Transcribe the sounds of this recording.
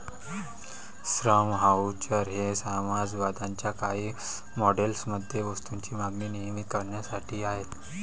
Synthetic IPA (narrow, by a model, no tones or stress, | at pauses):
sɾəmɦaut͡ɕaɾɦesamad͡zʋad̪ʱaɲt͡ɕjakaɦiː | mɔɖelsməd̪ʱjeʋəst̪uɲt͡ɕiːmaɡniːnijmit̪kəɾɳjasaʈʰiːaɦe